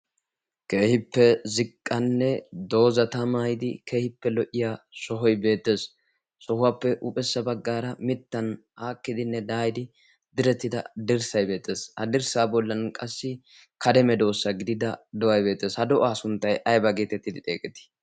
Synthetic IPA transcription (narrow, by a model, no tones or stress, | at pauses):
ke̞ːhɪpːɛzɪkʼːɐnːɛd̪o̞ːzɐt̪ɐmajɪd̪ɪkʰe̞ːhɪpːɛlɔʔɪjaːsɔɦɔjbe̞ːt̪ːe̞ːs | sɔhʊwapːɛʔʊpʼɛsːɐbɐɡːaːɾɐmɪt̪ːɐnʔaːkːɪd̪ɪnːɛd̪aːjd̪ɪ | d̪ɪɾɛt̪ːɪd̪ɐ̰d̪ɪɾsɐjbe̞ːt̪ːe̞ːshɐd̪ɪɾsaːbɔlːɐnkʼɐsːɪ | kɐd̪ɛmɛd̪o̞ːsːɐɡɪd̪ɪd̪ɐd̪ɔwɐjbe̞ːt̪ːe̞ːshɐd̪ɔʔaːsʊnt̪ːɐjɐjbɐɡeːt̪ɛt̪ːɪd̪ɪt̪ʼḛːkʼɛt̪ːɪ̥